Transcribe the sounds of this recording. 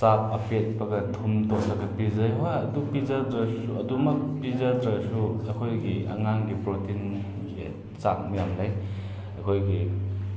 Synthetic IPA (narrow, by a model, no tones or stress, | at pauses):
sap̚ʰɐpʰet̚pɐɡɐtʰumtolɐɡɐpizɐjɦojɐdupizadɾɐsuɐdumɐk̚pizadɾɐsuɐkʰojɡiʔɐ̰ŋaŋɡipɾotʰin | ḛ | t͡ʃak̚mɐjamlaj | ɐkʰojɡi